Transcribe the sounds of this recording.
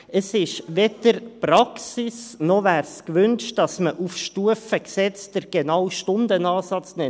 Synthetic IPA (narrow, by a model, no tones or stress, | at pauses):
əsɪʃʋedəɾpɾɑksisnɔʋæːɾskʋʏnt͡ʃtd̥ɑsməʔufʃtuəfəksɛt͡sd̥əɾɡ̥enawʃtʊndənɑːsɑt͡snɛ